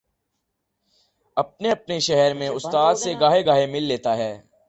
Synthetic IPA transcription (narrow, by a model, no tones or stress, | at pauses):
ɐp̚neɐp̚neʃɛɦɛɾmẽʊst̪aːd̪seɡaːɦeɡaːemɪlːeːt̪aɦɛː